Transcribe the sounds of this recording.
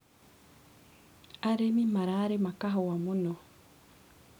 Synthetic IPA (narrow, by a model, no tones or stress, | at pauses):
aɾemimaɾaːɾemakaɦowamuno